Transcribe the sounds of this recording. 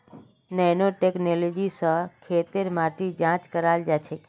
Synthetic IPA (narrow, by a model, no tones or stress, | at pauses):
nɛnoʈeknolod͡ʒisəkʰet̪eɾmaʈid͡ʒãt͡ʃkəɾald͡ʒat͡ʃʰe